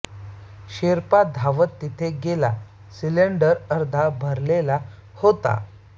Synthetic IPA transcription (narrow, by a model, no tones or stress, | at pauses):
ɕeɾpad̪ʱaʋət̪ːit̪ʰeɡela̰ | sileɳɖəɾəɾd̪ʱabʱəɾlela | hot̪a̰